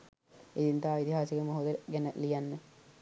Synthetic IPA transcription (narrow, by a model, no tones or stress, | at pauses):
id̪int̪aːit̪iɦaːsiɡəmoɦod̪əɡænəlijanːə